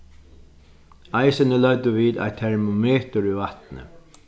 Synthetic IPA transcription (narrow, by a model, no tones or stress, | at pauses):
aɪsənəlœd̪əʋiːd̪a̰jt̪ʰɛɹmʊmeːt̪ʊɾʏʋat̪nə̰